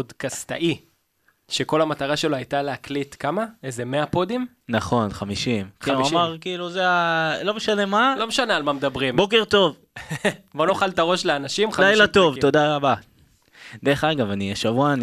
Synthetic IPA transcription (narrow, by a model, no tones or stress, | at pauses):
odkast̪a̰ʔi | ʃeko̞lamat̪aʁaʃeloajt̪aleaklitkamaezemeapo̞d̪im | naχo̞nχamiʃimkiuamaʁkiːluzealo̞meʃane̞malo̞meʃanealmamed̪ɐbʁimbo̞keʁt̪o̞v | bo̞noχalt̪aʁo̞ʃleanaʃimχd̪ajlat̪o̞vt̪o̞d̪aʁaba | d̪eʁeχaɡavaniaʃavuan